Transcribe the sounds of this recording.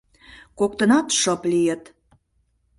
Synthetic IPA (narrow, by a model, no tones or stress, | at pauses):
kok̚t̪ənɑt̪ʃɤplijət̪